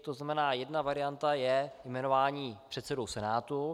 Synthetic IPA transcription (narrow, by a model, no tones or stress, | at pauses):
t̪oznamɛnaːjɛdnavaɾɪjant̪ajɛjmɛno̞vaːɲiːpr̝̥ɛt̪sɛdowsɛnaːt̪u